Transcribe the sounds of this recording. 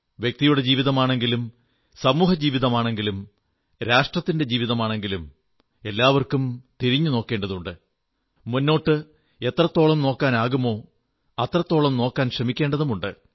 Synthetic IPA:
ʋjek̚t̪ijuɽe̞d͡ʑiːʋiðɐmaːɳe̞ŋɡilum | sɐmuːɦɐd͡ʑiːʋiðɐmaːɳe̞ŋɡilum | ɾaːʂʈrɐt̪ːinde̞d͡ʑiːʋiðɐmaːɳe̞ŋɡilum | e̞lːaːʋɐrkumt̪iɾiɲːuno̞ːkːe̞ːɳɖɐðuɳɖɨ | munːo̞ːʈːɨ | e̞t̪rɐt̪ːo̞ːɭɐmno̞ːkːaːnaːɣumo̞ː | ɐt̪rɐt̪ːo̞ːɭɐmno̞ːkːaːnɕrɐmikʲːe̞ːɳɖɐðumuɳɖɨ

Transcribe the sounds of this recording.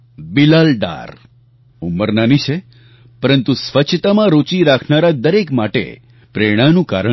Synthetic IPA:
bilalɖa̰ɾ | uməɾnanit͡ʃʰe | pəɾənt̪usʋət͡ʃʰt̪amãɾot͡ʃiɾakʰnaɾad̪əɾekmaʈḛ | pɾeɽ̃anũka̰ɾə

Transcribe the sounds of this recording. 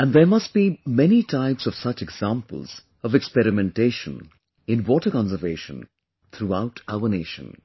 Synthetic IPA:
æ̃nd̪emʌst̚b̥imɛnitʰaɪpsɔv̥sʌt͡ʃɛɡz̥ãmpə̰lˠz̥ | ɔvɛkspɛɾɪmɛ̃nteːʃə̰̃n | ɪ̃nwɔːʈəkɑ̃nsəveːʃə̰̃n | t̪ʰɾuaʊʈʰaʊəneːʃə̰̃n

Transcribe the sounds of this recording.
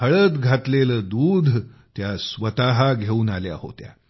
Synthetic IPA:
əɭət̪ɡʱat̪leləːd̪uːd̪ʱt̪jasʋət̪aɦaɡʱeuːnalja̰ho̰t̪ja̰

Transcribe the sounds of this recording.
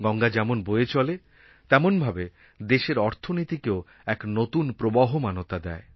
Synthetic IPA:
ɡɔŋɡad͡ʑɛmonboet͡ɕɔle | t̪ɛmonbʱabe | d̪eʃeɾɔɾt̪ʰonit̪ikeo | ɛknot̪unpɾobaɦomanot̪ad̪ɛ̰e

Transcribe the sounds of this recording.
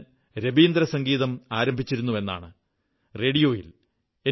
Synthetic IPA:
ɾebiːnd̪rɐsɐŋɡiːðɐmaːɾɐmbʱit͡ɕːiɾunːue̞nːa̰ːɳɨ | re̞ːɽijo̞ːjḭl | e

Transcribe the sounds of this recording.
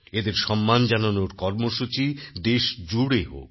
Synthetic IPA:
ed̪eɾʃɔmːand͡ʑananoɾkɔɾmoʃut͡ɕid̪eʃd͡ʑuɽeɦo̰k

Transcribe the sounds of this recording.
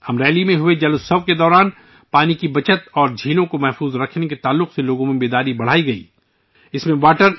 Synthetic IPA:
ɐmɾɛːlimẽɦʊed͡ʒɐlʊsɐʋked̪ɔːɾaːn | paːnikibɐt͡ʃət̪ɔːɾd͡ʒʱiːlõkomɛɦfuːzɾɐkʰneket̪aːlːʊqseloːɡõmẽbeːd̪aːɾibɐɽ̤aːiɡɐḭː | ɪsmẽʋaːʈəɾ

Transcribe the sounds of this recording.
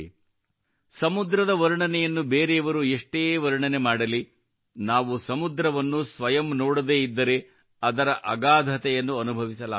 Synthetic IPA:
sɐmud̪ɾɐd̪ɐʋɐɾuɳɐnɛjɐnːubeːɾeɐʋɐɾueʂʈeːʋɐɾuɳɐnemaːɽɐli | naːʋusɐmud̪ɾɐʋɐnːusʋɐjɐmnoːɽud̪eːid̪ːɐɾe | ɐd̪ɐɾɐʔɐɡaːd̪ʱɐt̪ɛjɐnːuɐnubʱɐʋisɐla̰ː

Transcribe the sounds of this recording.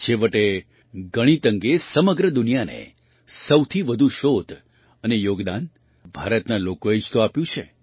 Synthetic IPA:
ʃeʋəʈe | ɡəɽ̃it̪əŋɡesəməɡɾəd̪ʊnijanḛ | səwt̪ʰiʋəd̪ʱũʃod̪ʱ | ənejoɡd̪an | bʱaɾət̪nalokoed͡ʒt̪oapjũt͡ʃʰe

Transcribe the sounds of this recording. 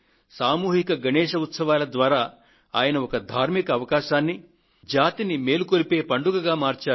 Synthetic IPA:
saːmuːɦikɐɡɐnɛːʃɐut̪sɐʋaːlɐd̪ʋaːɾaː | aːjɐnɐɔkɐd̪ʱaːɾmikɐːʋɐkaːʃaːnːi | d͡ʒaːt̪inime̞ːlukoɾipe̞ːpɐɳɖuɡɐɡaːmaːɾt͡ʃaː

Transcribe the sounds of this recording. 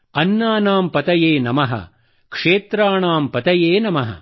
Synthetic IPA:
ɐnːaːnaːmpɐt̪ɐjeːnɐmɐɦɐ̰ | kʂeːt̪ɾaːɳaːmpɐt̪ɐjeːnɐmɐɦɐ̰

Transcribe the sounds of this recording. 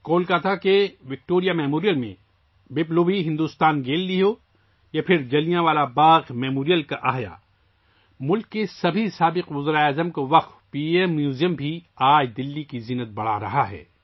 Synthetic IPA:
koːlkaːt̪ʰakeʋɪk̚ʈoːɾijamɛːmoːɾijəlmḛ̃ | beːploːbiɦɪ̃nd̪uːst̪aːnɡeːlːiɦoː | japʰɪɾd͡ʒɐlijãʋaːlabaːɣmɛːmoːɾijəlkaʔaːɦja̰ː | mʊlkːesɐbʱisaːbɪqʋʊzɾaaːzəmkoʋɐqt̪piːemːjuːzijəmbʱiaːd͡ʒd̪ɪlːikizɪnət̪̚bɐɽ̤aɾɐɦaɦɛ̰ː

